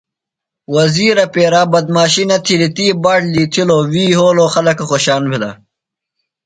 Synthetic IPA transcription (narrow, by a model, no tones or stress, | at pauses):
wɐziːɾɐpeːɾabɐd̪̚maːɕinɐt̪ʰilit̪iːbaːʈliːt̪ʰiloːwiːɦoːloːxɐlɐkɐxoɕaːnbʱila̰